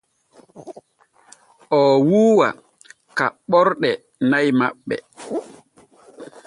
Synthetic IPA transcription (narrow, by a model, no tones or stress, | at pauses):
ʔɔwuːwa̰ | kaɓɔɾɗɛ | najmaɓːɛ̰